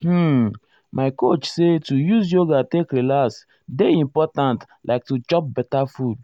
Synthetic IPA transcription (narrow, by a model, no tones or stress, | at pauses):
h̩ | mʔaɪkot͡ʃsetujuzjoɡatekɾilas | deĩmpɔtãnt | lʔaɪk̚tut͡ʃɔp̚bɛtafud